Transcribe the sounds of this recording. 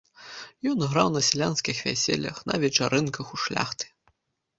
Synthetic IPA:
jɔnɣɾawnɐsʲlʲanskʲixvʲæ̰sʲɛ̰lʲɐ̰xnɐ̰vʲɛt͡ʂaɾʔɨnkɐxuʂlʲa̰xt̪ɨ̥

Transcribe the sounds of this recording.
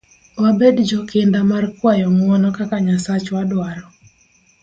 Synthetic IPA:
wabedd͡ʒɔkɪndamarkwajɔŋwɔnɔkakaɲasat͡ʃwadwaɾɔ

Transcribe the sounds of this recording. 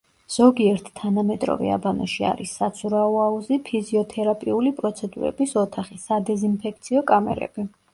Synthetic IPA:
z̥ɔɡiɛɾt̪ʰt̪ʰːanamɛt̪ʼɾɔ̰vɛ̰a̰banɔʃia̰ɾisːat̪sʰuɾaɔauzipʰiziɔt̪ʰɛɾapʼiulipʼɾɔt̪sʰɛd̪uɾɛ̰bisɔt̪ʰaχisːad̪ɛzinpʰɛkʰt̪sʰiɔkʼamɛ̰ɾɛ̰b̥i

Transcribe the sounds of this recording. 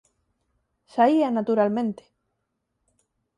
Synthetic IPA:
saianat̪uɾalmẽnt̪e̥

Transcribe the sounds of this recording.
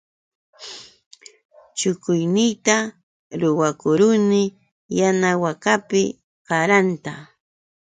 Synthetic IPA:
t͡ʃʊkʊjnɪjt̪a | ɾʊwakʊɾʊnɪ | janawakapɪ | ɢɑɾant̪a

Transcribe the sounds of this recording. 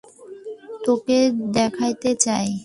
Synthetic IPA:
t̪oked̪ɛkʰajt̪et͡ɕae

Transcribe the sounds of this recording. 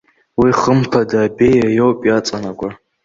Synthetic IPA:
wiχəmpʰadaːbejajowpʼjat͡sʼanaɡʷʼa

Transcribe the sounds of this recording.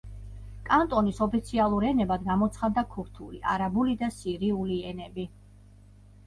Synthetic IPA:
kʼant̪ʼɔnisɔpʰit̪sʰialˠuɾɛnɛbad̪ɡamɔt̪sʰχad̪akʰuɾt̪ʰulḭʔa̰ɾabulid̪asiɾiuliɛnɛbi

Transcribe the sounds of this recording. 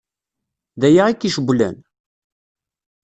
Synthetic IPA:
ðæjaʁikːiʃəɡʷlæ̰n

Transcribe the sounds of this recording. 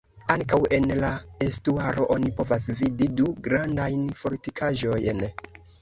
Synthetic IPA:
aŋkawe̞nlae̞stuaɾo̞ʔo̞nipo̞vasvididuɡɾandajnfo̞ɾtikʰaʒo̞jn

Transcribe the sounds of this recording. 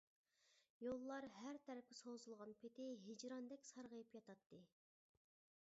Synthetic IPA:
jolˠːɑɾɦæɾt̪ʰɛɾɛp̚kʲɪsozulˠʁɑnpʰɪt̪ɪɦɪd͡ʒɾɑnd̪ɛkʲsɑɾʁəjipjɑt̪ɑt̪ʰːɨ

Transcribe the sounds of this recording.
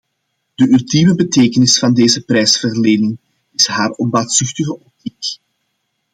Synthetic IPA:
d̥əʔylˠtiməbəteːkənɪsfɑndeːzəprɛjsfərleːnɪŋ | ɪsɦaːrɔmbaːtsʏxtəɣəʔɔp̚tik

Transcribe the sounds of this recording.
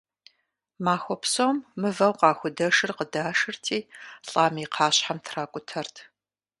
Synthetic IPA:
maːxʷɔpsowmːɨvɐwqɑːxʷʊdɐʂɨrqədaːʂɨrtʰiːɬʼaːmiːqʰɑːɕħamtʰraːkʷʼʊtʰɐrtʰ

